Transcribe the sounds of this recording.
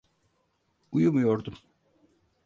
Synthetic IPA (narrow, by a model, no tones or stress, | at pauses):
ujumjoɾd̪um